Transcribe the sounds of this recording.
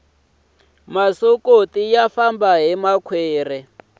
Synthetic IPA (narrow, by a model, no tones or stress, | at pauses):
masokotijafambaɦimakʰweːrɛ